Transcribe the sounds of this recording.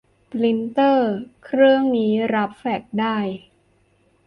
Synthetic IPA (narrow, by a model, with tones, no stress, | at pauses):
pli˦˥nt̪ɤː˥˩kʰɾɯ˥˩əŋniː˦˥ɾa˦˥p̚fɛ˨˩k̚daː˥˩j